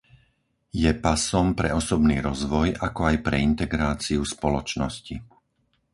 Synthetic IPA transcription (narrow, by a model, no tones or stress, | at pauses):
jɛpasɔmpɾɛɔsɔbniːɾɔzʋɔjʔakɔajpɾɛint̪ɛɡɾaːt͡siuspɔlɔt͡ʃnɔsci